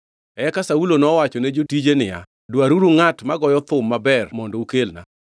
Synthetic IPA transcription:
ɛkasaulonɔwat͡ʃɔned͡ʒotid͡ʒenɪja̰ | dwaɾuɾuŋatmaɡɔjɔt̪ʊmːabɛrmɔndoukelna̰

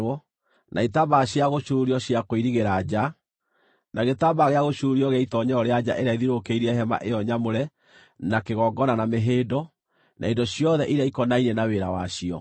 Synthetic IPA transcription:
ɔ | nʔaitabaɕjaɣoʃuːɾiɔɕiakoiɾiɣeɾad͡ʑa | naɣetabaɣeaɣoɕuːɾiɔɣeaitɔɲɛɔɾead͡ʑa̰ʔeɾeaiðiɾokeiɾiɛɦɛma̰ʔeɔɲamoɾɛ | nakeɣɔɡɔnanameɦeːdɔ | nʔaendɔɕijɔðɛʔiɾeaikɔnainenaweɾawaɕiɔ

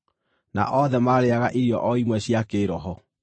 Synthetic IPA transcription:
na̰ʔɔðɛmaːɾeaɣaʔiɾiɔʔɔimwɛɕiakeːɾɔɦɔ

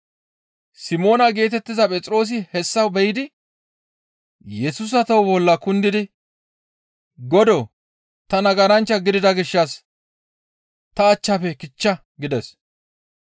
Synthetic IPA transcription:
sɪmo̞ːnɐɡe̞ːt̪ɛt̪ːɪzɐpʼɛt͡sʼɾo̞ːs̬ɪhɛsːɐwbɛjɪd̪ɪ | jɛsʊs̬ɐt̪ɐwbɔlːɐkʊnd̪ɪd̪ɪ | ɡɔd̪ɔ | t̪ɐnɐɡɐɾɐnt͡ʃːɐɡɪd̪ɪd̪ɐɡɪʃːɐs | t̪ɐːt͡ʃːɐfɛkɪt͡ʃːɐ | ɡɪd̪ɛs

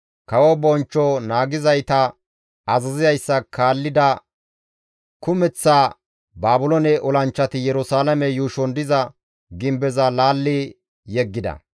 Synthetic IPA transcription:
kɐwɔbɔnt͡ʃːɔnaːɡɪzɐjt̪ɐ | ɐzɐzɪjɐjsːɐkaːlːɪd̪ɐ | kʊmɛt͡sːaː | baːbʊlɔnɛʔɔlɐnt͡ʃːɐt̪ɪjɛɾʊsaːlɐmɛjuːʃɔnd̪ɪzɐ | ɡɪmbɛzɐlaːlːɪ | jɛɡːɪd̪ɐ̰

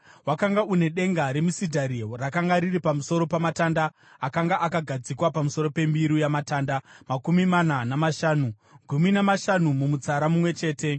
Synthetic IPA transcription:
wakaŋɡaʔune̞ɗe̞ŋɡaɾe̞musidʱaɾiorakaŋɡaɾiɾipamuso̞ɾo̞pamatandaː | kaŋɡaʔakaɡʱad͡zikwapamuso̞ɾo̞pe̞mbiɾijamataːndamakumimananamaʃaːnu | ɡʱuminamaʃanumumut͡saɾamumwe̞t͡ʃe̞ːte̞

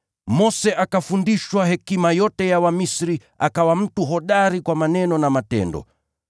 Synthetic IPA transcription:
mɔsɛʔakafundiʃwahɛkimajɔtɛjawamisɾi | akawam̩tuɦɔɗaɾikwamanɛnɔnamatɛ̰ndɔ̰

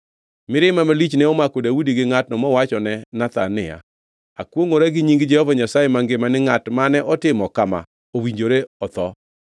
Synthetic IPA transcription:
mɪɾɪmamalit͡ʃnɛomakodawudiɡɪŋatnɔmɔwat͡ʃɔnɛnat̪anɪa̰ | akwoŋoɾaɡɪɲiŋɡd͡ʒɛhɔvaɲasajemaŋɡɪmanɪŋatmanɛʔɔtɪmɔkama̰ | owiɲd͡ʒoɾeɔt̪ɔ

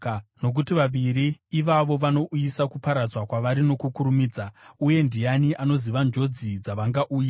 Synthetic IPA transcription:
no̞k̬utiʋaʋiɾiːʋaʋo̞ʋano̞isakupaɾad͡zwakwaʋaɾino̞kukuɾumiːd͡zauje̞ndijaniʔano̞ziʋand͡ʒo̞d͡zid͡zaʋaŋɡaʔuːji

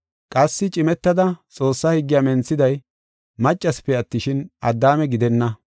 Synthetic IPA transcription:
kʼɐsːɪt͡ʃʼɪmɛt̪ːɐd̪ɐt͡sʼo̞ːsːahɪɡːɪjaːmɛnt͡sːɪd̪ɐj | mɐt͡ʃʼːɐspːɛɐt̪ːɪʃɪnɐd̪ːaːmɛɡɪd̪ɛnːɐ

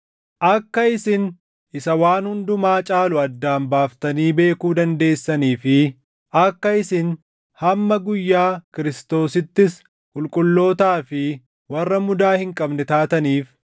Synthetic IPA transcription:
ʔɐkːɐɪsɪn | ɪsɐwaːnhʊnd̪ʊmaːt͡ʃʼaːlʊɐd̪ːaːmbaːft̪ɐniːbe̞ːkuːd̪ɐnd̪e̞ːsːɐniːfɪ | ʔɐkːɐɪsɪn | hɐmːɐɡʊjːaːkɪɾɪst̪o̞ːsɪt̪ːɪs | kʼʊlkʼʊlːo̞ːt̪aːfɪ | wɐrːɐmʊd̪aːhɪŋkʼɐbnɛt̪aːt̪ɐniːf

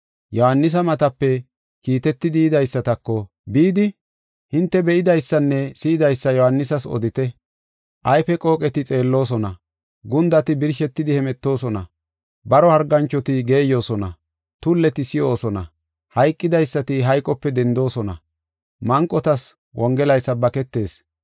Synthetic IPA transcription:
jɔhɐnːɪs̬ɐmɐt̪ɐpːɛ | kiːt̪ɛt̪ːɪd̪ɪd̪ɐjsːɐt̪ɐkːɔ | biːd̪ɪ | hɪnt̪ːɛbɛʔɪd̪ɐjsːɐnːɛsɪd̪ɐjsːɐjɔhɐnːɪsɐsɔ̰d̪ɪt̪ɛ | ʔɐjfɛkʼo̞ːkʼɛt̪ɪt͡sʼe̞ːlːo̞ːs̬ɔnɐ | ɡʊnd̪ɐt̪ɪbɪɾʃɛt̪ːɪd̪ɪhɛmɛt̪ːo̞ːsɔnɐ̰ | bɐɾɔhɐɾɡɐnt͡ʃːɔt̪ɪɡe̞ːjːo̞ːsɔnɐ̰ | t̪ʊlːɛt̪ɪsɪjo̞ːsɔnɐ | hɐjkʼːɪd̪ɐjsːɐt̪ɪɦɐjkʼɔpːɛd̪ɛnd̪o̞ːsɔnɐ̰ | mɐŋkʼːɔt̪ɐs | wʔɔŋɡɛlɐjsɐbɐkɛt̪ːe̞ːs

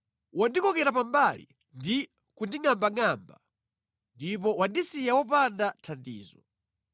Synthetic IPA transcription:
wandikɔkɛɾapambalḭ | ndi | kundiŋambaŋamba | ndip̬ɔwandisijawɔpandatʰandḭːzɔ

